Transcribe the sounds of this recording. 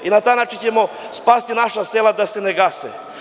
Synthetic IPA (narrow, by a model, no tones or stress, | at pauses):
inat̪aːjnaːt͡ʃint͡ɕemo | spaːst̪inaʃaseːlad̪ase̞neɡasḛ